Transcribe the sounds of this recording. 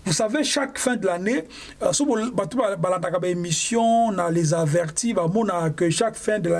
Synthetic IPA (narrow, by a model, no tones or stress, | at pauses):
vusaveʃakfɛ̃d̪əlane | sobatubbalãndakabaemisjɔ̃nalezavɛʁtibamɔnakəʃakfɛ̃dəla